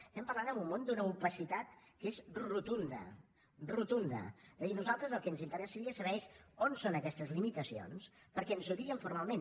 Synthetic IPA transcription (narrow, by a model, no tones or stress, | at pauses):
st̪ɛmpəɾlanəmbumːond̪unəupəsit̪at̪kezrut̪und̪ə̰ | rut̪und̪ə̰d̪əðinuzalˠt̪ɾəzəlˠkɛnzint̪əɾɛsəɾiəsəβɛʃonsonəkɛst̪əzlimit̪əsio̰nspəɾkɛənsut̪iəɱfuɾmalˠmen